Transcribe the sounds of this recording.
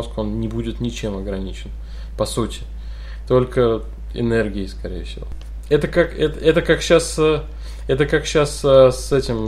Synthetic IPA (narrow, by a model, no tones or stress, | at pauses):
osko̞nnʲɪbudʲɪt̪nʲɪt͡ɕe̞mɐɡɾɐnʲit͡ɕɪn | pɐsutʲɪ̥ | t̪o̞lʲkə | ɪ̰nerɡʲɪɪskɐɾʲḛjəfsʲɪ̰vo̞̰ | ɛt̪əkakɛt̪əɛt̪əkakɕasə | ɛt̪əkakɕasəsɛtʲɪm